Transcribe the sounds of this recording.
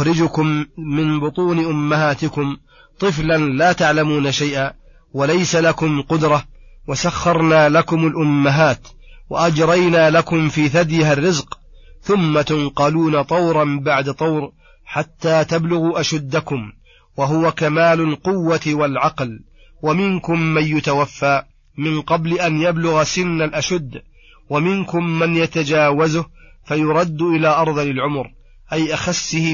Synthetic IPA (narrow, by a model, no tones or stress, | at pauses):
ɾɪd͡ʒʊkʊmːɪnbʊt̪ˤuːnɪʔʊmːahaːt̪ɪkʊm | t̪ˤɨflanlaːt̪aʕlamuːnaʃajʔaː | walajsalakʊmqʊd̪ɾˤɑ | wasaxːɑɾˤnaːlakʊmalʔʊmːaɦaːt̪ | waʔad͡ʒɾˤɑjnaːlakʊmfiːθad̪jɪharːɪzq | θʊmːat̪ʊnqɑluːnat̪ˤɑwɾˤɑnbaʕd̪at̪ˤɑwɾ | ħat̪ːaːt̪ablʊɣuʔaʃad̪ːakʊm | waɦʊwakamaːlʊlqʊwːat̪walʕɑql | wamɪnkʊmːanjʊt̪awafːaː | mɪnqɑblɪʔanjablʊɣasɪnːalʔaʃʊd̪ː | wamɪnkʊmːanjat̪ad͡ʒaːwazʊh | fajʊɾˤɑd̪ːʔɪlaːʔɑɾˤðˤɑlɪlʕʊmɾ | ʔajʔaxasːɪh